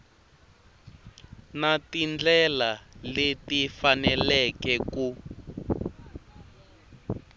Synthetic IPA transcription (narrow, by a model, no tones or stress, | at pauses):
natind͡ɮɛlaletifanɛlɛkɛku